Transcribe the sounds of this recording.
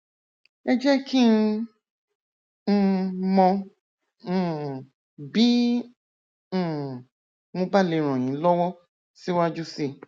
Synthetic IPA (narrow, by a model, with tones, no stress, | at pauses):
ɛ˦d͡ʒɛ˦ki˦˧ | n̩˦mɔ̃˧˦˨ | bi˦˨ | mõ˧ba˦le˨ɾ̃ɔ̃˨j̃ĩ˨˦lɔ˦wɔ˦ | si˦wa˦d͡ʒu˦se˦˨